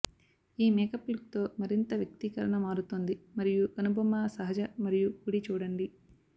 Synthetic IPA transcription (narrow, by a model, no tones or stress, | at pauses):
iːmɛːkɐplik̚t̪o̞ːmɐɾint̪ɐʋjɐk̚t̪ikɐɾɐɳɐmaːɾut̪und̪imɐɾijuɐnubɐmːaːsɐɦɐd͡ʒɐmɐɾijukuːɽit͡ʃuːɽɐɳɖi